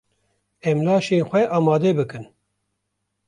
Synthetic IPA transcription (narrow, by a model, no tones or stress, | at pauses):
ɛmlɑːʃeːnxʷɛʔɑːmɑːd̪ɛbɨkɨn